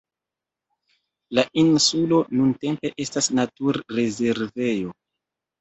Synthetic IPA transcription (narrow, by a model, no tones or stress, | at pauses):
laʔinsulo̞nunte̞mpe̞ʔe̞stasnatuɾːe̞ze̞ɾve̞jo̞